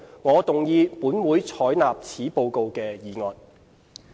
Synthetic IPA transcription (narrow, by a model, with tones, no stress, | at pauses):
ŋɔː˨˧t̪ʊ˨ŋjiː˧puː˨˥nwuː˨˥jt͡sʰɔː˨˥jnaː˨p̚t͡sʰiː˨˥po˧wko˧wkɛː˧jiː˨˩ŋɔː˨˩n̚